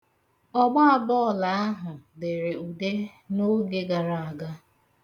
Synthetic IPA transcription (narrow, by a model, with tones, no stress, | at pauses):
ɔ˦ɡ͡ba˦a˨bɔː˦˨la˨a˦ɦʊ˨de˨ɾe˨u˨de˦ | no˦ɡe˦ɡa˨ɾa˨a˨ɡa˦